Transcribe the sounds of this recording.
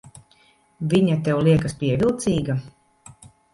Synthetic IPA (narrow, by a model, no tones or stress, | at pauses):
vʲiɲat̪ɛwlˠiɛkaspʲiɛvʲilˠt̪siːɡa